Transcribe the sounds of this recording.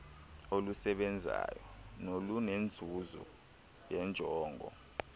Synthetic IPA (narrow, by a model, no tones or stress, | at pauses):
olusɛɓɛnd͡zʱa̰ːjɔnolunend͡zʱuzɔ̰ | jɛnd͡ʒʱɔːŋɡʱɔ̰